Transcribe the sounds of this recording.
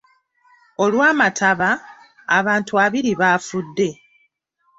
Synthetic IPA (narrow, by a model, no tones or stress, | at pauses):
o̞lwaːmatʰaβaː | βaːntuaβiɾiβaːfudːe̞